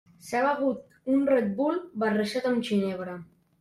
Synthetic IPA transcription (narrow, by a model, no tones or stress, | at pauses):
saβaɣut̪̚ | unred̪̚bulbareʃat̪əmt͡ʃineβɾə